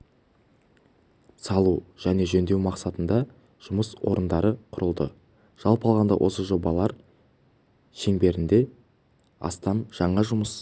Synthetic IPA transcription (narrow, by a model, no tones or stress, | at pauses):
sɑlˠuʒ̥æne̞ʒɵnd̪e̞wmɑqsɑt̪ənd̪ɑ | ʒ̥ʊməswo̞̰ɾənd̪ɑɾəqʰʊɾəlˠd̪ə̰ | ʒ̥ɑlˠpɑlˠʁɑnd̪ɑ̰wʔo̞̰səʒo̞bɑlˠɑɾ | ʃe̞ŋbe̞ɾɪnd̪e̞ | ɑ̰st̪ɑmʒ̥ɑɴɑʒʊməs